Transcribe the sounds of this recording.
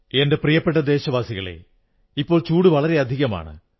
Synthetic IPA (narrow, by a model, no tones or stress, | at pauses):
ende̞prijɐpːe̞ʈ̬ːɐd̪e̞ːɕɐʋaːsiɣɐɭe̞̰ | ipːo̞ːɭt͡ɕuːɽɨʋɐɭɐɾe̞ɐd̪ʱiɣɐma̰ːɳɨ̰